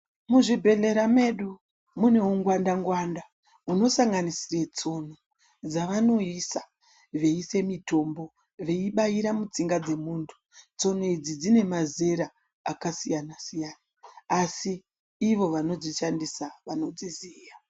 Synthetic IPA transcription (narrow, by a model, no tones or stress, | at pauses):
muʐibʱe̞ɮe̞ɾame̞ɗu | mune̞uŋɡwandaŋɡwanda | uno̞saŋɡanisiret͡so̞no | d͡zaʋano̞isa | ʋe̞ise̞mito̞mbo̞ | ʋe̞iɓaiɾamut͡siŋɡad͡ze̞muːntʰu̥ | t͡so̞noid͡zid͡zine̞maze̞ɾa | akasijanasijanaːsiː | ʋo̞ʋano̞d͡ziʃandisaʋano̞d͡zizija